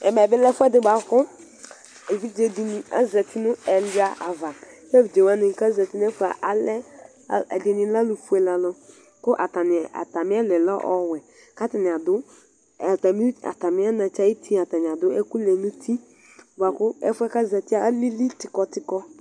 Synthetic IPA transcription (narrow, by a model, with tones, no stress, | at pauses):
ɛ˨mɛ˨bɪ˦lɛ˦fʊ˦ɛ˦dɪ˨ba˨kʊ˦ | e˨vi˦d͡ʒe˨di˨ni˨a̰˦zɛ˨tʰi˦nʊ˦ɛ˨la˨ʔa˨va˨˦ | ɛ˦vi˨d͡ʒe˨wa˦nɪ˨ka˦zɛ˨ti˦n˦ɛ˦fu˨˦a˨ʔa˨lɛ˦˨ | ɛ˨dɪ˨nɪ˨la˦lu˨fu˦ɛ˨la˨lɔ˦ | kʊ˦ʔa̰˨ta˨nɪ˨a̰˨ta˨mɪ˦a˦lɛ˨lɔ˦ʔɔ˦wɛ˨ | ka˦tɪ˨nɪ˨a˨dʊ˦˨ | ta˨mi˦a̰˨ta˨mɪ˦a˦nã˨t͡ʃa˦i˦tʰi˦˨a˨ta˨nɪ˨a˨dʊ˦ɛ˦ku˦lɛ˨nu˦tʰi˦ | ba˨kʊ˦ɛ˦fʊ˦ɛ˦ka˦zɛ˨ti˦a˦li˦li˦tɪ˨kɔ˨tɪ˨kɔ˦